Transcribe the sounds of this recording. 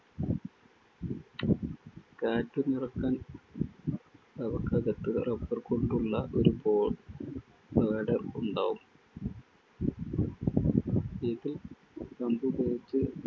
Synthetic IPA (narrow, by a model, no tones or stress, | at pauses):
kaːtːɨnirɐkːaːn | t̪ɐbɐkːɐɡɐt̪ːuðrɐpːɐrkoɳɖuɭːɐʔo̞ɾuboːɭ | beːɖɐruɳɖa̰ːʋum | iðil | k̪ɐmbubejit͡ɕːɨ